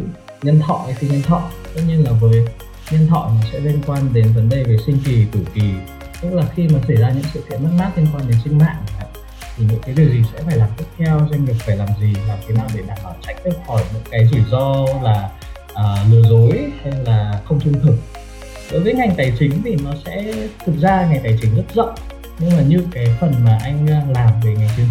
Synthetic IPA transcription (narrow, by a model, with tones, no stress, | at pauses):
ɲə˧nt̪ʰɔ̰˧˨ʔjt̪ʰi˨˩ɲə˧nt̪ʰɔ̰˧˨t̪ə̰˦˧˥ɲi˧nlaː˨˩vəː˨˦j | ɲə˧nt̪ʰɔ̰˧˨maː˨˩sɛ̰˧˥li˧ənkwaː˧nɗe˨˦nvə˨˦nɗə˧jve˨˩sï˧ŋ̟ki˨˩t̪ʰu˧˩ki˨˩ | t̪ɨ˦˥k̚laː˨˩xi˧maː˨˩sa˧˩jzaː˧ɲɨ̰˧˥ŋsɨ̰˧˨kḭ˧˨ənm˦˥t̚maː˦˥t̚li˧ənkwaː˧nɗe˨˦nsï˧ŋ̟ma̰ː˧˨ŋ˨a̰˧˨ | t̪ʰi˨˩ɲɨ̰˧˥ŋkaː˨˦jɗi˨˩əwzi˨˩sɛ̰˧˥faː˧˩jlaː˨˩mt̪i˦˥t̚t̪ʰɛ˧wza˧ŋ̟vi˨˩ək̚faː˧˩jlaː˨˩mzi˨˩laː˨˩mt̪ʰe˨˦naː˨˩wɗe˧˩ɗa̰ː˧˩ɓaː˧˩w̚t͡ɕa̰˧˥jŋ̟t̪ə˧˥xɔ˧˩jɲɔ̰˧˥kaː˨˦jzi˨˩zɔ˧laː˨˩ | ʔəː˨˩nɨ˨˩əzo˨˦jha˧laː˨˩xə˧wŋ͡mt͡ɕɨ˧əŋt̪ʰɨ˧˩ŋ̚ | ɗo̰˨˦jvəː˨˦jŋa˨˩ŋt̪aː˨˩jt͡ɕï˨˦ŋ̟t̪ʰi˨˩nɔ˨˦sɛ̰˧˥t̪ʰɨ˨˩k̚zaː˧ŋa˨˩jt̪aː˨˩jt͡ɕï˨˦ŋzə˦˥t̚zə̰˧˨ʔ | ɲɨ˧ŋlaː˨˩ɲɨ˧kaː˨˦jfə˨˩nmaː˨˩ʔa˧jŋ̟˧laː˨˩mve˨˩ŋa˨˩jt͡ɕï˨˦ŋ